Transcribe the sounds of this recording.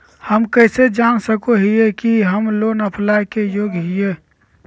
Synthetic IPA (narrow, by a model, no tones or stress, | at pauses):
həmkəɪsed͡ʒansəkoɦiekiɦəmlonəpʰlajkejoɡɦije